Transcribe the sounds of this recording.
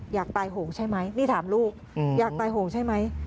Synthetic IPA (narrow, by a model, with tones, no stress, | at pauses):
jaː˨˩k̚t̪aː˧jɦoː˩˦ŋt͡ɕʰa˥˩jma˦˥jniː˥˩t̪ʰaː˩˦mluː˥˩k̚ | jaː˨˩k̚t̪aː˧jɦoː˩˦ŋt͡ɕʰa˥˩jma˦˥j